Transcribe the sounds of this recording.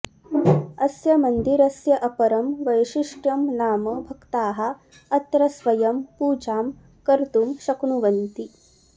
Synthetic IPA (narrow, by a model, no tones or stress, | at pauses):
ɐsjɐmɐnd̪iɾɐsjɐʔɐpɐɾɐmʋɐjʃiʂʈɐmnaːmɐbʱɐkt̪aːɦɐ̆ | ɐt̪ɾɐsʋɐjɐmpuːd͡ʒaːm | kɐɾt̪umʃɐknuʋɐnt̪i